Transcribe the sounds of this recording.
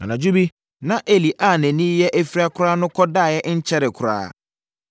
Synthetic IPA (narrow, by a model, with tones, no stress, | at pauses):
ã˨nã˨d͡ʑu˦bi˦ | nã˨ʔe˨li˨ʔa˦˨næ̃˨nĩ˦jɛ˦ʔæ˨fiɾi˦a˦kʰʊ˦ɾaː˦nʊ̃˦kʰɔ˦daː˦˨jɛ˦ɲ̩˦t͡ɕʰɛ˦ɾɪ˨kʰʊ˨ɾa̰ː˦